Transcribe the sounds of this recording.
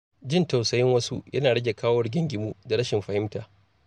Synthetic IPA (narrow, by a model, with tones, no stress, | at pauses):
d͡ʒɪ˦nta˨wsɐ˨jɪ˦ŋwɐ˦sṵ˦jʔɐ̰˦naː˨ɽɐ˦ɡʲe˨kaː˦wɐ˦rɡʲɪ˦ŋɡʲɪ˨muː˦da˨ɽɐ˦ʃɪ˨mɸɐ˨hɪ˦mtaː˨